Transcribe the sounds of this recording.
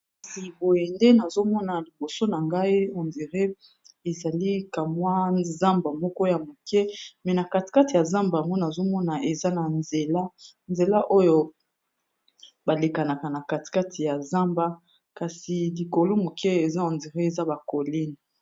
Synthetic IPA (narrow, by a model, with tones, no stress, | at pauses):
ka˨si˨bo˨je˨nde˦na˨zo˦mɔ˦na˨li˨bo˨so˦na˨ŋɡa˦i˦o˨ndi˨ʁe˦ | e˨za˨li˦ka˨mwa˦za˦mba˨mɔ˦kɔ˦ja˨mo˨kʰɛ˦mɛ˨na˨ka˨ti̥˨ka˦ti˨ja˨zã˦mba˨ŋɡo˦na˨zo˦mɔ˦na˨e˨za˦na˨nze˨la˦ | nze˨la˦ʔo˦jo˨ | ba˨le˨ka˨na˨ka˨na˨ka˨ti̥˨ka˦tʰi˨ja˨za˦mba˦ | ka˨si˨li˨ko˨lo˦mo˨kʰɛ˦e˨za˦o˨ndi˨ʁe˦e˨za˦ba˨ko˨li˦n˨